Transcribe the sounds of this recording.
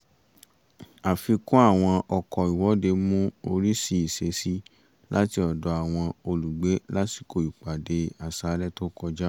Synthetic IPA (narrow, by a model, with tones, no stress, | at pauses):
a˨fi˧kũ˦a˦˨w̃ɔ̃˧ʔɔ˧kɔ˨i˨wɔ˨˦de˧mũ˦o˧ɾi˦si˦i˨se˧si˦ | la˦ti˧ɔ˨dɔ˨˧a˨w̃ɔ̃˧o˧lu˨ɡ͡be˨˦la˦ti̥˨ko˨i˨k͡pa˨de˧a˨sa˨˦lɛ˦to˦kɔ˧d͡ʒa˦